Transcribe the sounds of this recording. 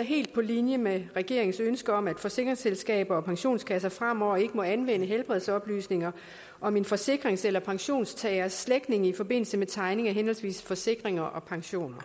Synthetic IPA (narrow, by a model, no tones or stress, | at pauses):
ɦe̝̰ːld̥̚pʰɒ̽linjəmeʁɛɡ̥e̝ɐeŋn̩sønsɡ̥əɒ̽mæd̥fɒ̽se̝ɡ̥ʁeŋselsɡ̥ɛ̰ːb̥ɐɒ̽pʰɑ̈ŋɕo̝̰ːnskʰæs̬ɐfʁam̰ɒ̰e̝ɡ̥əmɒ̽ænʋenəɦelb̥ʁɛð̞ˠsɒ̽b̥ly̰ːsne̝ŋɐ | ʔɒ̽me̝nfɒ̽se̝ɡ̥ʁeŋselɐpʰɑ̈ŋɕo̝̰ːnst͡sʰɛæɐsːleɡ̥ne̝ŋifɒ̽b̥e̝n̰l̩səmet͡sʰɑ̈ɪne̝ŋɐɦenhɒ̽lsʋḭːsfɒ̽se̝ɡ̥ʁeŋɐʔɒ̽pʰɑ̈ŋɕo̝̰ːnɐ